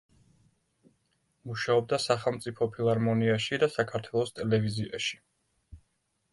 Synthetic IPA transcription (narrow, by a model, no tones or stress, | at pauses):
muʃaɔb̚d̪asaχɛlˠmt̪sʼipʰɔpʰilˠaɾmɔniaʃid̪asakʰaɾt̪ʰwɛlˠɔst̪ʼɛlɛviziaʃi̥